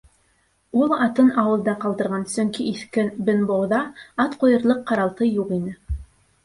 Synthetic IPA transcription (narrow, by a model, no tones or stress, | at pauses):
ulˠɑt̪ɤnɑwɤ̆lˠd̪ɑqɑlˠd̪ɤ̆ɾʁɑnsɵŋkiːθkɘnbɘ̆nbowðɑɑt̪qujɤ̆ɾlˠɤqːɑɾɑlˠt̪ɤjuqinɘ